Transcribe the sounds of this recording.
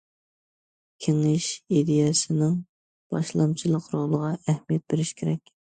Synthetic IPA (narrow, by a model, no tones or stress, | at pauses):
kʲʰeŋɪʃid̪ejɛsɪnɪŋ | b̥ɑʃlˠɑmt͡ʃʰilˠəqɾolˠəʁɑʔæhmijɛt̪̚beɾɪʃkʲʰeɾɛkʲ